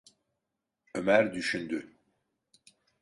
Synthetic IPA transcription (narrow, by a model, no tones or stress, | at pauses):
ømæɾd̪yʃynd̪y